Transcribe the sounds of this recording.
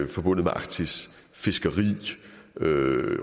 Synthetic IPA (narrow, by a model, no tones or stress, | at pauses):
fɒ̽b̥ɔ̽n̰ð̩ˠmeʔɑ̈ɡ̥t͡sʰis | fe̝sɡ̥ɐʁḭː | ø